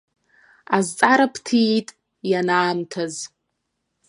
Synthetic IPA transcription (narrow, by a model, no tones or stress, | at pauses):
azt͡sʼaɾapʰtʰitʼ | janaːmtʰaz